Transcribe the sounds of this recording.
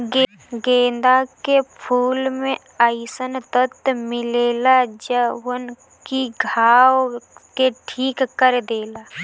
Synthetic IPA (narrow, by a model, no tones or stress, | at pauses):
ɡẽːnd̪akepʰuːlmẽ | aɪsənt̪ət̪mɪleːlad͡ʒəwən | kiɡʱaːwkeʈʰiːkːəɾd̪eːlaː